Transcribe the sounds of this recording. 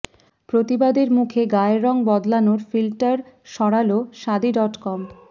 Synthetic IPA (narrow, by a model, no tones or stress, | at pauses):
pɾot̪ibad̪eɾmukʰeɡaeɾɔŋbɔd̪lanoɾfilʈaɾʃɔɽaloʃad̪iɖɔʈkɔm